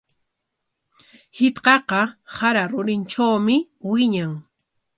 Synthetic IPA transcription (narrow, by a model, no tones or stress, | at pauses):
hɪt̪qɑqɑhaɾaɾʊɾɪnʈ͡ʂawmɪ | wɪɲaŋ